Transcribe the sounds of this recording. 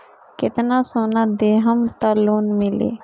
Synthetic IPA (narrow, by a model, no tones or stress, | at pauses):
kɪt̪naːsoːnaːd̪eːɦəmt̪aːloːnmɪlḛː